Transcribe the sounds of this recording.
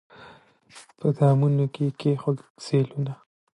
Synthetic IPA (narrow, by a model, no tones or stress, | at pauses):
pʰəd̪ɑmunokekexolseluna